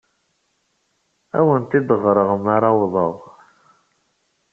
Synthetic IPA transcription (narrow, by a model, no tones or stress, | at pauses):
æ̰wənt̪id̪əʁɾˤəʁəmaɾawðˤəðˤ